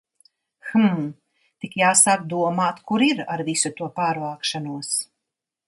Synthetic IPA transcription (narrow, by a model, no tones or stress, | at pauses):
xm | t̪ikjaːsaːkd̪uɔmaːt̪kuɾiɾa̰ɾvisut̪uɔpaːɾvaːkʃanuɔs